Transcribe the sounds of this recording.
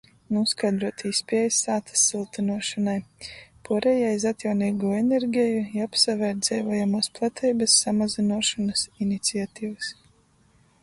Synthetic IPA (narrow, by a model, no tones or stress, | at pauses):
nuskajd̪ɾuɔt̪iːspɛɛjsaːt̪ḁsːilˠt̪inuɔʃɔnajpuɔɾɛjajzat̪jawniːɡuːeneɾɡʲɛjujapsavɛɾd̪zɛjvajamuːsplˠat̪ʰɛjbɐsːamazinuɔʃɔnasinit̪siat̪iːvas